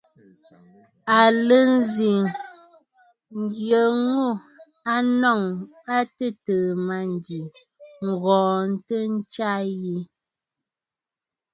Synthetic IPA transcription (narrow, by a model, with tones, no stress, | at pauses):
a˨lə˦n˦zi˨ŋ | ŋ˦ɡjə˨ŋu˦˨ | a˦nɔ˦˨ŋ | a˦tə˦˨təː˨ma˨n˨di˨ | ŋ̩˨ɣɔ̃ː˨n̩˦tə˦n̩˦t͡ʃa˦ji˦